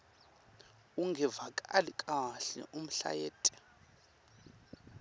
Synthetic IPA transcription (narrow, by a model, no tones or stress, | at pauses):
uŋɡʱɛvakʼalikʼaɬɛ̰ʔum̩ɬa̰jɛːtʼɛ̥